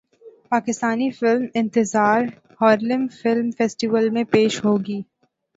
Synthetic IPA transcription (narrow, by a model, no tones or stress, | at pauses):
paːkɪst̪aːnifɪlmɪ̃nt̪ɪzaːɾ | hɔːɾlɪmfɪlmfɛːsʈiʋəlmẽpeːʃɦoːɡiː